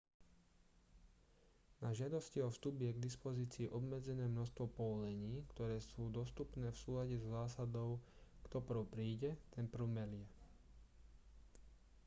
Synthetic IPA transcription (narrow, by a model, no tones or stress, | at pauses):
naʒɪad̪ɔsciɔfst̪ubjɛɡd̪ispɔziːt͡siːʔɔbmɛd͡zɛnɛːmnɔʃst̪ʋɔpɔʋɔlɛɲiːkt̪ɔɾɛːsuːd̪ɔst̪upnɛːfsuːlaɟɛzɔzaːsad̪ɔʊ | kt̪ɔpr̩ʊpɾiːɟɛt̪ɛnpr̩ʊmɛlɪjɛ